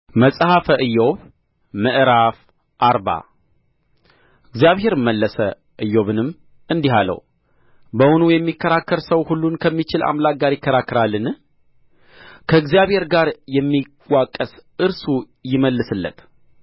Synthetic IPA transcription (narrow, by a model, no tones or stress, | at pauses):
məsʼhafəʔɨjːo̞β | mɨʔɾaf | ʔaɾba̰ | ɨɡzjaβɦe̞ɾɨmːəlːəsə | ʔɨjːo̞βɨnɨm | ɨnd̪iɦalə̰w | bəwʊnujɛmːikʰːəɾakːəɾsəwhulːunkʰəmːit͡ʃɪla̰mlak̚ɡaɾjɪkːəɾakːɨɾalːɨn | kʰəɨɡzijaβhe̞ɾɡaɾjɛmːi | wakʼːəsʔɨɾsu | jɪməlːɨsɨlːə̰t̪ʰ